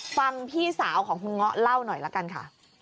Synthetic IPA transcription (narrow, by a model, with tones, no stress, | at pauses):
fa˧ŋpʰiː˥˩saː˩˦wkʰɔː˩˦ŋkʰu˧nŋɔ˦˥ʔla˥˩wnɔ˨˩jla˦˥ka˧nkʰa̰˥˩